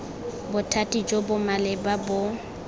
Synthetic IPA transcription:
bʊtʰatʼid͡ʒobʊmalɪbabʊ

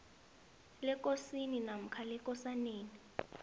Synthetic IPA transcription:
lɛkʼosininam̩kʰalɛkʼɔsaneːni

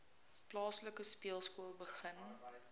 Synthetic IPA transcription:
plɑːsləkəspiəlˠskuəlˠbəχən

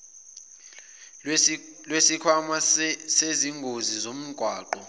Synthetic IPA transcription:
lwesikʰwamaseziŋɡʱozizom̩ɡ̥ʱwaːǃɔ

